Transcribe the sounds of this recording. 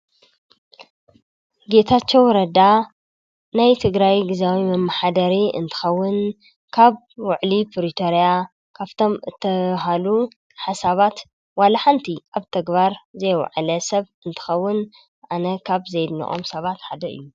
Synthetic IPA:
ɡe̞t̪ʰat͡ʃːɛwɾɐd̪a | najt̪ʰɨɡɾajɡɨzawimɐmːaħad̪ɐɾiɨ̰nt̪ʰɨ̥xɐwːʊn | kʰaβ | wʊʕlipʰɾit̪ʰoɾija | kʰaβt̪ʰo̞mɨt̪ʰːɐɦalu | ħasaβat̪ | walaħant̪ʰiʔaβt̪ʰɐɡβaɾzɐjw̰ʕlɐsɐβɨnt̪ʰɨ̥xɐwːʊn | ʔanɐkʰaβzɐjd̪nḭʔʼo̞̰msɐβat̪ħad̪ɐʔɨ̰jːu

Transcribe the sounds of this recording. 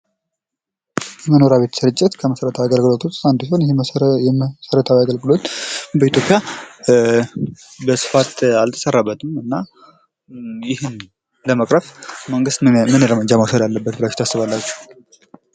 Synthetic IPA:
jɛməno̞ɾaβe̞t̪ʰəsɨɾɨt͡ʃʼːɪt̪kʰəməsəɾət̪ʰaaɡəlɡɨlo̞t̪wost̪and̪siho̞njhjɛməsəɾət̪ʰawaɡəlɡɨlo̞t̪bəit̪ʰjo̞pʼːja | bəsɨ̥fat̪alt̪ʰə̥sərːabːət̪ʰɨmɨnːa | jɪhɨn | ləməkʼɾəfməŋɡɨst̪mɨnjɛɾəməd͡ʒamasad̪alːəbːət̪bɨlḁt̪ʰasːɨβalːat͡ʃːu̥

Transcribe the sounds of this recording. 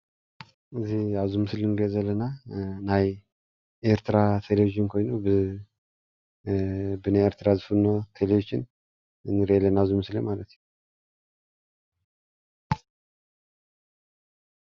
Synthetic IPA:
ɨzːihaβzumɨslɨnɡəzəlːənːanaj | eɾt̪ʰɨɾat̪ʰeleviʒɪnkʰo̞jnowbɨ | bɨnaeɾt̪ʰɨɾazɨfunːot̪ʰelevid͡ʒɪn | ɨnɨɾelːənaβzumɨslemalət̪nə

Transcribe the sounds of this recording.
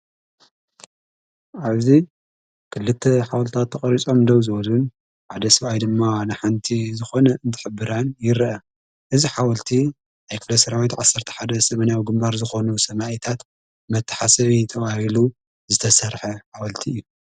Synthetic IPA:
ʔaβzi | kʰɨlːɨt̪ʰːɐħawɐlt̪ʰat̪ʰːɐχʼɐɾit͡sʼo̞md̪owzɨwɐlun | ʕad̪ɐsɨβajd̪ɨmːanɨħant̪ʰizɨxo̞nɐʔɨnt̪ʰɨ̥ħɨbːɨɾanjɪɾʔɐ | ʔɨziħawɐlt̪ʰi | najkʰɨflɐsɐɾawit̪ʕasːɐɾt̪ʰɐ̥ħad̪ɐsɐmɐnjawɡɨmbaɾzɨxo̞nusɐmaʔjt̪ʰat̪ | mɐt̪ʰːɐ̥ħasɐβit̪ʰɐβahilu | zɨt̪ʰɐsɐɾħɐħawɐlt̪ʰiɨjːu

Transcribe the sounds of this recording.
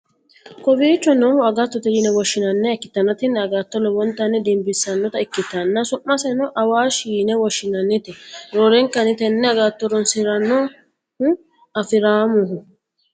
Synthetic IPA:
kɔbiːt͡ʃːɔnɔhʊɐɡat̪ːɔt̪ɛɾinɛwɔʃːɪnɐnːɛɛkːɪ̥t̪ːɐnːɐt̪ɪnːɛɐɡat̪ːɔlɔbɔnt̪ːɐnːɛd̪ɛmbɪsːɐnːɔt̪ɐɛkːɪt̪ːɐnːɐsʊʔːɐsɛnɔʔɐwaːʃiːnɛwɔʃːɪnɐnːɛt̪ɪɾoːɾɛŋkːɐnɪt̪ɛnːɛɐɡaːt̪ːɔɾɔnsɪɾɐnːɔ | hʊ | ɐfɪɾaːmʊɦʊ

